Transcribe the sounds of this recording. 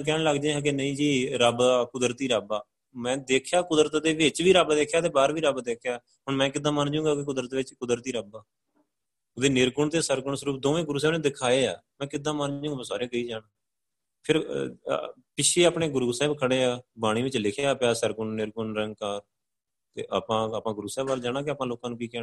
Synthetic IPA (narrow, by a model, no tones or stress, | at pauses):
k̬ɛːɳləɡd͡ʒẽɦãːk̬enəĩːd͡ʒiːɾəbaːkʊd̪ɾt̪iːɾəbaː | mɛ̃ːd̪eːkʰjaːkʊd̪ɾət̪d̪eːʋɪt͡ʃʋiːɾəbd̪eːkʰjaːt̪eːbaːɾʋiːɾəbd̪eːkʰjaː | ɦʊɳmɛ̃ːkɪd̪ãːmənd͡ʒũːŋɡaːkɪkʊd̪ɾət̪ːʋɪt͡ʃkʊd̪əɾt̪iːɾəbaː | ʊd̪eːnɪɾkʊɳt̪eːsəɾkʊɳsəɾuːp̚d̪oːʋẽːɡʊɾuːsɛːbnẽːd̪ɪkʰaːeːaːmɛ̃ːkɪd̪ːãːmand͡ʒũːɡãsaːɾeːkəiːd͡ʒaːɽaː | pʰɪɾ | pɪt͡ʃʰeːaːpɳeːɡʊɾuːsɛːbkʰəɽeːaːbaːɽ̃ĩːʋɪt͡ʃlɪkʰeaːpjaːsəɾkʊɳːɪɾkʊnɾəŋɡ̚kaːɾ | t̪ḛːʔaːpãːaːpãːɡʊɾuːsɛːbaːld͡ʒaːɽaːk̬ɪaːpãːloːkãːnũːkiːkɛː